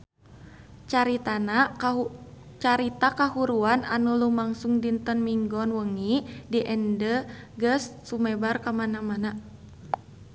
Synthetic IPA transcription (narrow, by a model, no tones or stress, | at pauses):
t͡ʃaɾit̪ana | t͡ʃaɾit̪akaɦuɾuananulumaŋsuŋdint̪ənmiŋɡɔnwəŋidiʔɛndəɡəsːumɛbarkamanamana